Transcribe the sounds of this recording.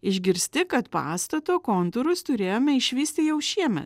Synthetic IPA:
ɪʒʲɡʲɪɾʲsʲt̪ʲɪkɐt̪pɑ̰ːst̪ɐt̪oːkoːnt̪ʊɾʊst̪ʊɾʲeːjoːmʲɛɪʃʲʋʲiːsʲt̪ʲɪjɛʊʃʲiɛmʲɛ̰t̪

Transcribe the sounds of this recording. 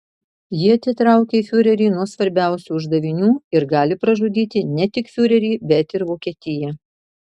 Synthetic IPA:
jiɛɐt̪ʲɪt̪ɾɑˑʊkʲeifʲʊɾʲɛɾʲiːnuɔsʋɐɾʲbʲæˑʊsʲuːʊʒd̪ɐʋʲɪnʲuːɪɾɡɑːlʲɪpɾɐʒʊd̪ʲiːt̪ʲɪnʲɛt̪ʲɪkfʲʊɾʲɛɾʲiːbʲɛt̪ɪɾʋoːkʲiɛt̪ʲɪjɛ

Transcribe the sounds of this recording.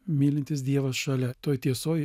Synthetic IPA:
mʲiːlʲɪnʲt̪ʲɪs̬d̪ʲiɛʋɐsʃɐlʲɛt̪oːjt̪ʲiɛsoːj

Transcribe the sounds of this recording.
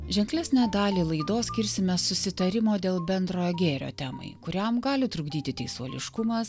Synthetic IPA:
ʒʲɛŋklʲɛsʲnʲæːd̪ɑːlʲiːlˠɐɪd̪oːsʲkʲɪɾʲsʲɪmʲɛsʊsʲɪt̪ɐɾʲɪmoːd̪ʲeːlˠbʲɛnd̪ɾoːjoɡʲeːɾʲo̰ːt̪ʲæːmɐ̰ɪkʊɾʲɛmɡɑːlʲɪt̪ɾʊɡd̪ʲiːt̪ʲɪt̪ʲɛɪsoːlʲɪ̰ʃkʊmɐs

